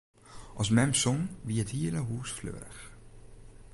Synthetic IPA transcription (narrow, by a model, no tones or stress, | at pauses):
ʔɑsmɛmpsɔnʋiəthiːələɦuːsflø̰ːɾəx